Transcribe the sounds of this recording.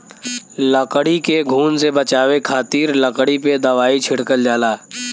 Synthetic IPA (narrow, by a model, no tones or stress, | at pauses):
ləkɽikeɡʱuːnsebət͡ʃaːʋekʰaːt̪iːɾləkɽiped̪əʋaːit͡ʃʰɪɽkəld͡ʒaːlaː